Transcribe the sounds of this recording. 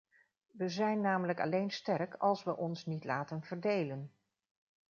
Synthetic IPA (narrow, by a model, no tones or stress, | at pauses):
ʋəzɛjnːaːmələkɑ̰lejnstɛrkɑlˠsʋəʔɔnsnitlaːtənvəɹdejlən